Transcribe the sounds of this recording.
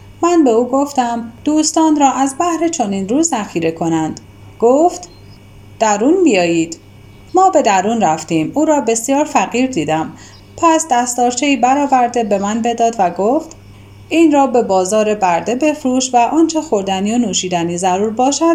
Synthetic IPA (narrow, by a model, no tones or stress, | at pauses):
mænbe̞uːɡo̞ft̪æmd̪̥uːst̪ɒːnɾɒːʔæzbæhɾe̞t͡ʃʰo̞niːnɾuːzzæxiːɾe̞kʰo̞nænd̪̥ | ɡ̥oft̪ | d̪̥æɾunbijɒːjiːd̪̥ | mɒːbe̞d̪æɾuːnræft̪iːmuːɾɒːbe̞sjɒːɾfæɣiːɾd̪iːd̪æm | pʰæsd̪æst̪ɒːɾt͡ʃʰe̞iːbæɾɒːvæɾd̪e̞be̞mænbe̞d̪ɒːd̪væɡoft̪ | iːnɾɒːbe̞bɒːzɒːɾe̞bæɾd̪e̞be̞fɾuːʃt̪væʔɒːnt͡ʃʰe̞xo̞ɾd̪ænionuːʃiːd̪æniːzæɾuːɾbɒːʃæd̪